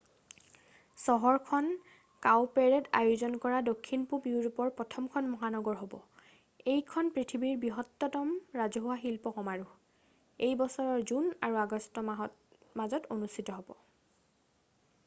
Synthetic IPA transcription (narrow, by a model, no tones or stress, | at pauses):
sɔɦɔɹkʰɔn | kawpɛɹɛtajuzɔnkɔɹadokʰːinpubiuɹupɔɹpɹɔtʰɔmkʰɔnmɔɦanɔɡɔɹɦobɔ̰ | ejkʰɔnpɹitʰibiɹbiɦɔtːɔtɔmɹazɔɦʊaxilpɔkɔmaɹu | ejbɔsɔɹɔɹzunaɹuaɡɔstɔ | mazɔtonustʰitɔɦobɔ